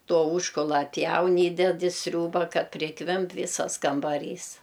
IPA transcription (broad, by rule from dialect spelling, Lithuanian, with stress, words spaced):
ˈtoː ˈuːʃkʊlˠɐ ɐtʲˈpʲjɛʊn ˈiːdʲɛt ɪ ˈsʲrʲuːbɐ ˈkɐt pʲrʲɪˈkʋʲɪmp ˈʋʲiːsɐs kɐmbɐˈrʲiːs